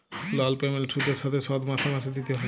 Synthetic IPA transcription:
lɔlpɾemelsʰud̪eɾʃat̪ʰesɔd̪mat̪ʰamased̪it̪eɦɔ

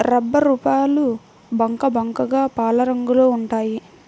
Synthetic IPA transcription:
ɾɐbːɐɾupaːlu | bɐŋkɐbɐŋkɐɡaːpaːlɐɾɐŋɡuloːuɳʈaːji

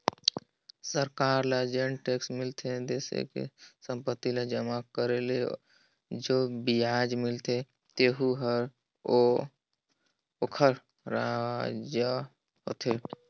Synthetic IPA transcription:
səɾkaːɾlad͡ʒeɳʈeːksmɪlt̪ʰed̪eːsḛkḛsə̃mpət̪ːilad͡ʒəmakəɾele | d͡ʒoːbijaːd͡ʒmɪlt̪e | t̪eːɦuɦəɾ | o | okʰəɾ | ɾad͡ʒə | ɦot̪ʰeː

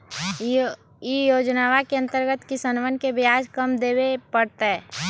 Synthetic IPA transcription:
ijoːd͡ʒnaːʋakeə̃nt̪əɾɡət̪kisənʋənkebɪaːd͡ʒkəmd̪eːwepəɽt̪eɦɛː

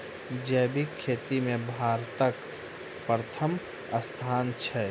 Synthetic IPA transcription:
d͡ʒɛbʱikʰːeːt̪imẽbʱaːɾt̪ək | pɾət̪ʰəm | əst̪ʰaːnt͡ʃʰɛ

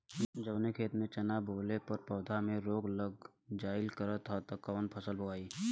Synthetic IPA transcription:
d͡ʒəbnekʰeːt̪mẽt͡ʃɐnaːboːlepəɾpɔːd̪ʱamẽɾoːɡləɡ̚ | d͡ʒaːɪlkəɾət̪ʰat̪ɐkɔːnpʰəsəlbʱəɡaːiː

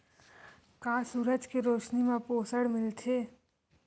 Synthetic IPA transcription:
kãːsuːɾəd͡ʒkeɾoːʃnimãpoːsəɽmɪlt̪ʰeː

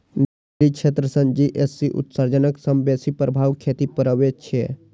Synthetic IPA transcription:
n | ɾikʃʰet̪ɾəsə̃nd͡ʒiʔesːiʔʊ̰t̪saɾd͡ʒənəksəmbesipɾəbʱaːʋkʰet̪ipəɾəʋet͡ʃʰe

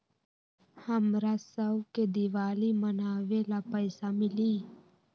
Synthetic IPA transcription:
həmɾasəbked̪ɪʋaːlimənaːʋelapəɪsamɪliː

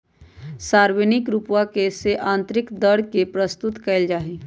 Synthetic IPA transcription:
saːɾwənɪkɾupwakeseʔãːnt̪ɾɪkd̪əɽ̤kepɾəst̪ʊt̪kɐld͡ʒaːɦi

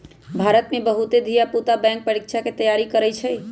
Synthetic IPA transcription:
bʱaɾət̪mebəɦut̪ed̪ʱijaput̪abɛ̃ŋk̚pəɾikt͡ʃʰaket̪əjaɾikəɾɛjt͡ʃʰəj

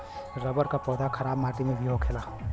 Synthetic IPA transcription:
ɾɐbəɾkapɔːd̪ʱakʰɐɾaːbmaːʈimẽʋioːkʰeːlaː

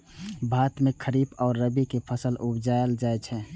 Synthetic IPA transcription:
bʱaːt̪mẽkʰəɾiːbɔːɾːəbikepʰəsəlʔʊbd͡ʒald͡ʒaːɛt͡ʃʰɛ

